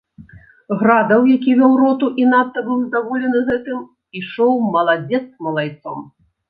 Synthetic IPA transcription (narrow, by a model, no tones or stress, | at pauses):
ɣɾad̪ɐwjakʲivʲɔwɾɔt̪uʔinat̪ːɐbɨwzd̪avɔlʲɛnɨɣɛt̪ɨm | iʂɔwmɐlˠad͡zʲɛt̪smɐlˠajt̪sɔm